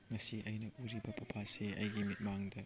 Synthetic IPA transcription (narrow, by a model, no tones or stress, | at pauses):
ŋɐsiʔɐjnɐʔuɾibɐpʰupʰaseɐ̰jɡimit̚maŋdɐ